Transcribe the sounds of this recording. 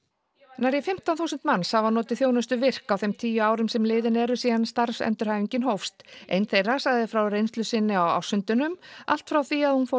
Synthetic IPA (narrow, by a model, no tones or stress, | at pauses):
naɾjɛfɪm̥t̪anθuːsʏnt̪manshavanɔːt̪ɪθjownʏst̪ʏvɪr̥kawθejmt̪ʰiːjʏaːwɾʏmsɛmlɪːðɪnɛɾʏsiːðanst̪aɾsɛ̰nt̪ʏɾ̥hajviɲcɪnɦowfst̪ʔḛjnθejrasaɣðɪfɾawrejnst̪lʏsɪnːɪawa̰wsʏnt̪ʏnʏma̰l̥t̪fɾawθiaðhunfo